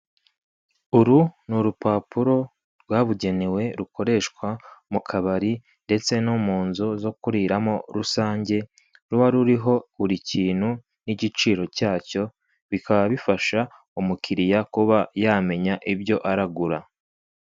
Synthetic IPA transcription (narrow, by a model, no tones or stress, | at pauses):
uɾunuɾupaːpuɾo̞ | ɾɡwaːβuɟe̞newe̞ɾukʰo̞ɾe̞ʃkwamukʰaβaɾi | nde̞t͡se̞numuːnzuzo̞kuɾiɾamo̞ɾusaːɲɟe̞ | ɾuβaɾuɾiɦo̞uɾiciːn̥hu | niɟit͡ʃiːɾo̞caːco̞ | βikʰaβaβifaʃa | umukʰiɾijakuβajaːme̞ɲaʔibjo̞ʔaɾaɡuɾa